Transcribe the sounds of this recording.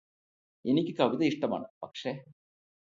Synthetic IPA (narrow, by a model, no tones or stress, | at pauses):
enikʲːɨkɐʋiðɐiʂʈɐma̰ːɳɨpɐkʂeː